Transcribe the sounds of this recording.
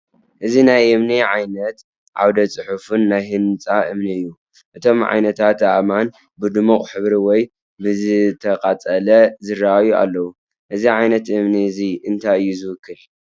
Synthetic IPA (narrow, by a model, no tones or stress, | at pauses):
ʔɨzinajʔɨmniʕajnɐt̪ | ʕa̰wd̪ɐt͡sʼɨħufunːajhɨnt͡sʼaʔɨmniɨjːu | ʔɨt̪ʰo̞mʕa̰jnɐt̪ʰat̪aman | bɨd̪ɨmuxʼħɨβɾiwɔj | bɨzɨt̪ʰɐqʼat͡sʼɐlɐzɨraajua̰lːɐwu | ʔɨziʕajnɐt̪ʔɨmniziɨnt̪ʰajɨjːuzɨwɨkːɨl